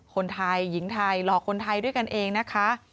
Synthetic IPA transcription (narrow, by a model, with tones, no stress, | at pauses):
kʰo˧nt̪ʰa˧jːi˩˦ŋt̪ʰa˧jlɔː˨˩kʰːo˧nt̪ʰa˧jdu˥˩əjka˧nʔeː˧ŋna˦˥kʰa˦˥ʔ